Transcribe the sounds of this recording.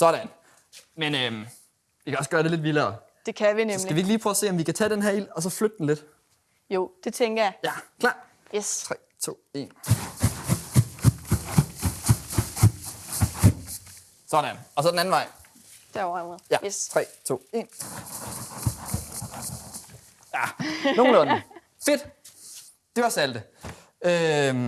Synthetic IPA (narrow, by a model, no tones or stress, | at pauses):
sɒɾ̥æn | menøm | ʋikʰæɒ̽sɡ̥ɶɐd̥e̝le̝d̥ʋilɐː | d̥e̝kʰæʋinemsmlæʋie̝ɡ̥liːpʰʁœʊɐse̝̰ːɒmʋikæt͡sʰɛ̰ːd̥enɦæɐil̰ɒ̽s̬ɒ̽flød̥̚əd̥en̩le̝d̥ | jo̝d̥e̝t͡sʰeŋɡ̥ɐjɑ̈jækʰlɑ̰̈ːd̥ | jesʰʁɛ̰ːt͡sʰo̝̰ːe̝̰ːn | sɒd̥ænɒ̽sɒ̽denæn̩ʋɑ̈ɪ̰ | d̥eɒameð̩ˠjæt͡sʰʁɛ̰ːt͡sʰo̝̰ːe̝n | jæno̝ːŋ̩n̩lɔn | fe̝d̥ | d̥e̝ʋɑ̈sæld̥ə | ø